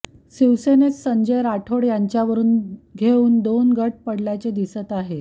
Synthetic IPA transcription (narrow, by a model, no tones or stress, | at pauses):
siʋsenet͡ssəɲd͡ʑəjɾaʈʰoɽjaɲt͡ɕjaʋəɾuːnɡʱeuːnd̪onɡʱəʈ̚pəɽljat͡sed̪isət̪aɦe